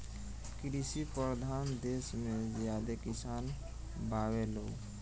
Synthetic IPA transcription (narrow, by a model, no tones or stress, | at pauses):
kɾisipɾəd̪ʱaːnd̪eːsmẽzjaːd̪ekɪsaːn | baːweloː